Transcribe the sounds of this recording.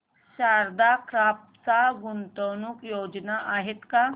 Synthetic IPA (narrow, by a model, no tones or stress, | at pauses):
ɕaɾd̪akɾap̚ | t͡saɡunt̪ənukjod͡ʑnaʔaɦet̪ka